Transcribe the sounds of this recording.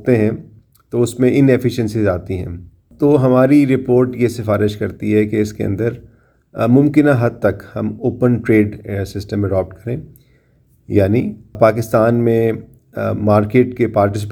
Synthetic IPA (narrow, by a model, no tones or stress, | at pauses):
t̪eɦɛ̃ | t̪oʊsmẽɪnefɪʃə̃nsizaːt̪iɦɛ̰̃ː | t̪oːɦɐmaːɾiɾɪpoːɾʈjesɪfaːɾɪʃkɐɾt̪iɦɛkeɪskeɐ̰̃nd̪əɾ | mʊ̃mkɪnãɦɐd̪̚t̪ɐkhɐmoːpənʈɾeːɖsɪsʈəmɛɖɔːp̚ʈkɐɾẽː | jaːnipaːkɪst̪aːnmẽ | maːɾkeːʈkepaːɾʈɪs̬ɪp